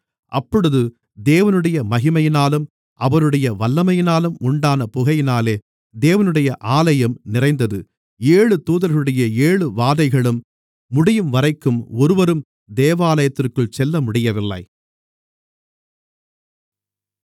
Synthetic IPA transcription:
ʔɐpːɔɽɯðɯ | d̪eːʋɐnɯɽɐjɐmɐɣɪmɐjɪnaːlɯm | ɐʋɐɾɯɽɐjɐʋɐlːɐmɐjɪnaːlɯmʊɳɖaːnɐpʊɣɐjɪnaːleː | d̪eːʋɐnɯɽɐjɐʔaːlɐjɐmnɪrɐɪnd̪ɐðɯ | eːɻɯt̪uːðɐɾɣɐɾɯɽɐjɐeːɭɯʋaːðɐɪɣɐɭɯmː | ʊɽɪjɯmʋɐrɐɪkːɯmɔɾɯʋɐɾɯm | d̪eːʋaːlɐjɐt̪ːɪrkɯɭsɛlːɐmʊɽɪjɐʋɪlːɐ̰ɪ

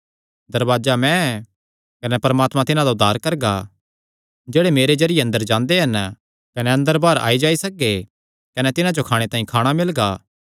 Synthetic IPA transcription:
d̪ɐɾʋaːd͡ʒamɛ̃ | kɐnɛpɐɾmaːt̪mãt̪ɪnãd̪aʊd̪ʱːaːɾkɐɾɡa | d͡ʒeːɽemeːɾed͡ʒɐɾɪjeɐ̃nd̪əɾd͡ʒãːnd̪eɦɐn | kɐnɛɐ̃nd̪əɾbaːɾa̰ːid͡ʒaːisɐk̚e | kɐnɛt̪ɪnãd͡ʒokʰaːɽ̃et̪ãːĩkʰaːɽ̃amɪlɡaː

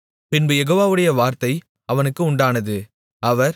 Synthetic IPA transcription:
pɪnbɯjɛɣoːʋaːʋɯɽɐjɐʋaːɾt̪ɐɪ | ɐʋɐnɯkːɯʊɳɖaːnɐðɯ | ɐʋɐɾ

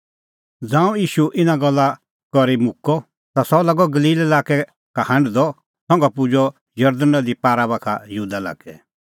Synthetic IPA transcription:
d͡zãːũjiːʃuʔɪnaɡɔlːa | kɔɾimʊkːɔ | t̪asɔlɐɡɔɡɐliːlelaːkɛ | kahɐ̃ɳɖd̪ɔ | sɔ̃ŋɡapud͡ʒɔ | jɐɾd̪ənɔd̪ipaːɾabakʰa̰jɐɦuːd̪ala̰ːkɛ

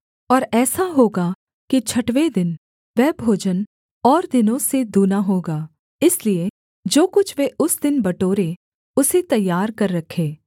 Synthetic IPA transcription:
ɔːɾɛːsaɦoːɡa | kit͡ʃʰɐʈʋed̪ɪn | ʋɛːbʱoːd͡ʒən | ɔːɾd̪ɪnõsed̪uːnaɦoːɡaː | ɪslie | d͡ʒoːkʊt͡ʃʰʋeʔʊsd̪ɪnbɐʈoːɾe | ʊset̪ɐjːaːɾkɐɾːɐkʰeː

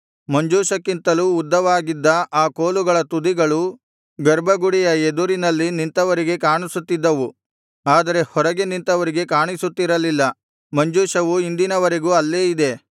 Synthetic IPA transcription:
mɐɲd͡ʒuːʃɐkːint̪ɐluːd̪ːɐʋaːɡid̪ːɐʔaːko̞ːluɡɐɭɐt̪ud̪iɡɐɭu | ɡɐɾbʱɐɡuɽijɐed̪uɾinɐlːinint̪ɐʋɐɾiɡe̞kaːɳisut̪ːid̪ːɐʋu | aːd̪ɐɾe̞hɔɾɐɡe̞nint̪ɐʋɐɾiɡe̞kaːɳisut̪ːiɾɐlilːɐ | mɐɲd͡ʒuːʃɐʋuind̪inɐʋɐɾe̞ɡuːɐlːeːid̪e̞

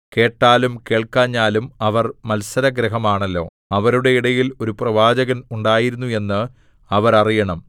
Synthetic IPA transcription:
ke̞ːʈːaːlumke̞ːɭkaːɲːaːlumɐʋɐrmɐlsɐɾɐɡɾɐɦɐmaːɳɐlːo̞ː | ɐʋɐɾuɽe̞iɽɐjilo̞ɾuprɐʋaːd͡ʑɐɣɐnuɳɖaːjiɾunːue̞nːɨ | ɐʋɐɾɐrijɐɳɐm

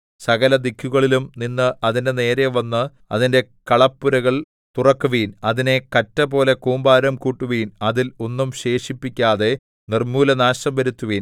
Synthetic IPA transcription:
sɐɣɐlɐd̪ikʰːuɣɐɭilumninːɨʔɐðinde̞ne̞ːɾeʋɐnːɨ | ɐ̰ðinde̞kɐɭɐpːuɾɐɣɐɭ | t̪urɐkːuʋiːnɐðine̞kɐtːɐpo̞ːle̞kuːmbaːɾɐmkuːʈːuʋiːnɐðilo̞nːumɕe̞ːʂipːikʲːaːðe̞ | nirmuːlɐnaːʂɐmʋɐɾut̪ːuʋiːn

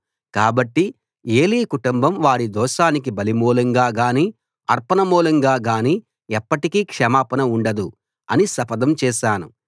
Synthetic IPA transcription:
kaːbɐʈːi | e̞ːliːkuʈumbɐmʋaːɽid̪ɔːʃaːnik̬ibɐlimuːlɐŋɡaːɡaːniː | ɐɾpɐnɐmuːlɐŋɡaːɡaːni | ɛpːɐʈikiːkʂɐmaːpɐnɐuɳɖɐd̪u | ɐ̰nisɐpɐd̪ɐmt͡ʃɛːʃaːnṵ

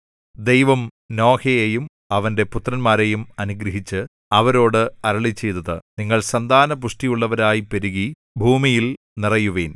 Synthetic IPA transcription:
d̪ejʋɐm | no̞ːkʰɐjejum | ɐʋɐnde̞put̪rɐnmaːɾejumɐnuɡɾɐɦit͡ɕːɨ | ɐʋɐɾo̞ːɽɨɐɾɐɭit͡ɕːe̞jt̪ɐðɨniŋːɐɭsɐnd̪ʱaːnɐpuʂʈijuɭːɐʋɐɾaːjipɐɾuɣi | bʱuːmijil | nirɐjuʋeːn

